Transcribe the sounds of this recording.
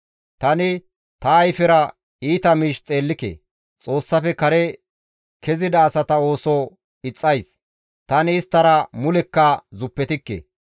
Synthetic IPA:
t̪ɐnɪ | t̪ɐːjfɛɾɐ | iːt̪ɐmiːʃt͡sʼe̞ːlːɪkḛː | t͡sʼo̞ːsːɐfɛkɐɾɛ | kɛzɪd̪ɐːsɐt̪ɐo̞ːso | ɪt͡sʼːɐjs | t̪ɐnɪːst̪ːɐɾɐmʊlɛkːɐzʊpːɛt̪ɪkːḛ

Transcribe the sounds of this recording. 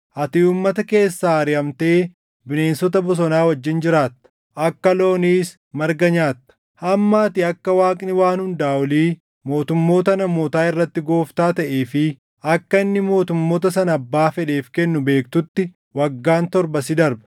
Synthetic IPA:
ʔɐt̪ɪuːmːɐt̪ɐke̞ːsːaːɐɾɪɐmt̪e̞ː | bɪne̞ːnsɔt̪ɐbɔs̬ɔnaːwɐd͡ʒːɪnd͡ʒɪɾaːt̪ːɐ̥ | ʔɐkːɐlo̞ːniːs | mɐɾɡɐɲaːt̪ːɐ̥ | hɐmːaːt̪ɪɐkːɐwaːkʼnɪwaːnhʊnd̪aːwɔliː | mo̞ːt̪ʊmːo̞ːt̪ɐnɐmo̞ːt̪aːɪrːɐt̪ːɪɡo̞ːft̪aːt̪ɐʔeːfɪ | ɐkːɐɪnːɪmo̞ːt̪ʊmːo̞ːt̪̬ɐsɐnɐbːaːfɛᶑe̞ːfkɛnːʊbe̞ːkt̪ʊt̪ːɪ | wɐɡːaːnt̪ɔɾbɐsɪd̪ɐɾbɐ̥

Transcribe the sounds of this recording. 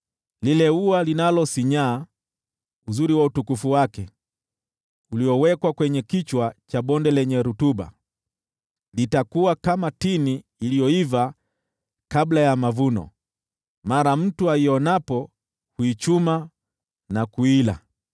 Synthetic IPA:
lilɛualinalɔsiɲaː | uzuɾiwautukufuwakɛ | uliɔwɛkwakwɛɲɛkit͡ʃwat͡ʃaɓɔndɛlɛɲɛɾutuɓa̰ | litakuwakamatiniːlijɔiva | kablajamavunɔ̰ | maɾam̩tuaijɔnapɔ | huit͡ʃuma | nakuila̰

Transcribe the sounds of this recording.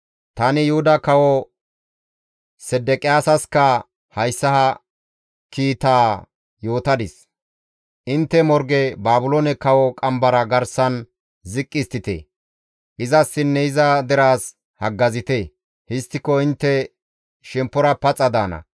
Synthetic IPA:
t̪ɐnɪjʊhʊd̪ɐkɐwɔ | sɛd̪ɛkʼɪjaːsɐskɐ | hɐjsːɐhɐ | kiːt̪aː | jo̞ːt̪ɐd̪ɪs | ʔɪnt̪ːɛmɔɾɡɛbaːbʊloːnɛkɐwɔkʼɐmbɐɾɐɡɐɾsɐn | zɪkʼːɪst̪ɪt̪ḛː | ʔɪzɐsːɪnːɛɪzɐd̪ɛɾaːs | hɐɡːɐzɪt̪e | hɪst̪ːɪkɔɪnt̪ːɛ | ʃɛmpːɔɾɐpɐt͡sʼːɐd̪aːnɐ̰

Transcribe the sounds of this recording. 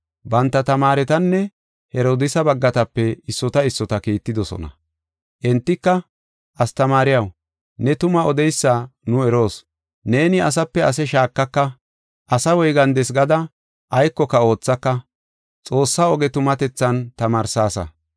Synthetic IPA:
bɐnt̪ːɐt̪ɐmaːɾɛt̪ɐnːɛ | hɛɾoːd̪ɪsɐbɐɡːɐt̪ɐpːɛɪsːɔt̪ɐɪsːɔt̪ɐkiːt̪ːɪd̪ɔsɔ̰nɐ̰ | ʔɛnt̪ːɪkːɐ | ʔɐst̪ɐmaːɾɪjɐw | nɛt̪ʊmɐɔd̪ɛjsːaːnʊɛɾo̞ːs | ne̞ːnɪɐs̬ɐpːɛɐsɛʃaːkːɐkːɐ | ʔɐsɐwɔjɡɐnd̪ɛsɡɐd̪ɐ | ʔɐjkːɔkːɐo̞ːt͡sːɐkːɐ | t͡sʼo̞ːsːaɔɡɛt̪ʊmɐt̪ɛt͡sːɐnt̪ɐmaːɾsaːsɐ̰

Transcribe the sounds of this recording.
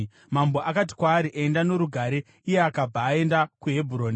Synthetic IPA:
mambo̞ʔakat̬i̥kwaːɾiʔaendano̞ɾuɡʱaɾe̞ | ije̞akab͡vʱaːe̞ndakuɦe̞bʱuɾo̞ːni

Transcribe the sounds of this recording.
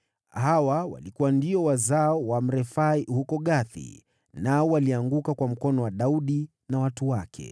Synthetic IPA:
hawawa̰likuwandiɔwazaɔwam̩ɾɛfaihukɔɠaθḭ | naɔwaliaŋɡukakwam̩kɔnɔwaɗauɗi | nawatuwakʰɛ̰

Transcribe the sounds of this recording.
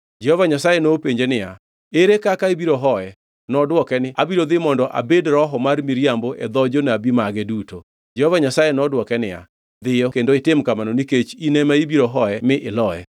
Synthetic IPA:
d͡ʒɛhovaɲasajenopeɲd͡ʒenɪja | eɾekakaibiɾoɦɔjɛ | nɔdwɔkɛnɪabiɾoðɪmɔndɔʔa̰bedɾɔɦɔmarmiɾjamboʔɛ̰d̪ɔd͡ʒonabimaɡɛduto | d͡ʒɛhovaɲasajenɔdwɔkɛnɪja̰ | d̪ɪjɔkendoɪtɪmkamanoniket͡ʃinɛmaibiɾoɦɔjɛmɪʔɪlɔjɛ̰

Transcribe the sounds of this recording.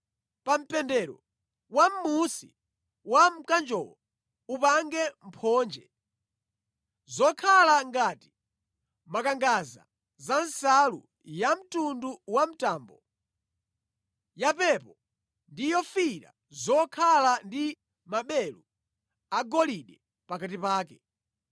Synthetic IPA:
pam̩pɛndɛɾɔ | wam̩musi | wam̩kand͡ʒɔ̰lɔ | upaŋɡɛm̩pʰɔːnd͡ʒɛ | zɔkʰalaŋɡati̥ | makaŋɡaza̰ | zansalṵ | jam̩tunduwam̩taːmbɔ | japɛpɔ | ndijɔfiɾa̰ | zɔkʰalandi | maɓɛlu | aɡɔliɗɛ | pakatipaːk̬ɛ

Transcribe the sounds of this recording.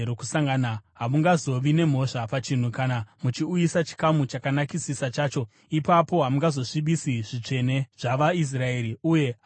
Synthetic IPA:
ɾokusaŋɡanaɦamuŋɡazo̞ʋine̞m̤o̞ʂapat͡ʃin̤ukanamut͡ʃiujisat͡ʃi̥kamut͡ʃakanakisisat͡ʃaːt͡ʃo̞ | ipapo̞ɦamuŋɡazo̞ʂiɓisiʐit͡ʂe̞ne̞ʐ̥aʋais̬rae̞ːɾiuje̞

